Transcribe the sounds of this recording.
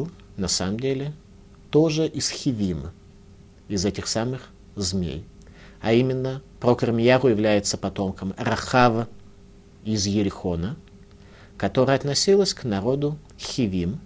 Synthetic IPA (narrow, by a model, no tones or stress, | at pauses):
lˠ | nɐsa̰məmdʲelʲɪ | t̪o̞ʐɨʔɪsxʲɪvʲimə | ɪzɛtʲɪxsamɨx | zmʲḛj | ɐimʲɪnːəpɾokərmʲɪjaɣʊjɪvlʲæjɪt̪səpɐt̪o̞mkəmɾɐxavə | ɪzjɪɾʲɪxonə | kɐt̪o̞ɾəəɐt̪nɐsʲilˠəsʲknɐɾo̞d̪ʊ | xʲɪvʲim